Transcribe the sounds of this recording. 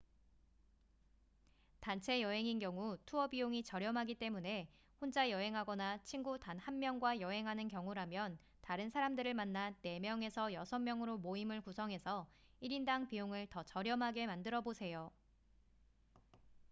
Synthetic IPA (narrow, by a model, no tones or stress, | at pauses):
tant͡ɕʰe̞jʌɦe̞ŋinɡjʌŋutʰuʌbioŋit͡ɕʌɾjʌmɦaɡit͈e̞mune̞ | hond͡ʑajʌɦe̞ŋɦaɡʌnat͡ɕʰinɡutanhanmjʌŋɡwajʌɦe̞ŋɦanɯnkjʌŋuɾamjʌn | taɾɯnsʰaɾamdɯɾɯɭmanːane̞mjʌŋe̞sʰʌjʌsʰʌmːjʌŋɯɾomoimɯɭkusʰʌŋɦe̞sʰʌ | iɾindaŋpijoŋɯɭtʌt͡ɕʌɾjʌmɦaɡe̞mandɯɾʌbosʰe̞jo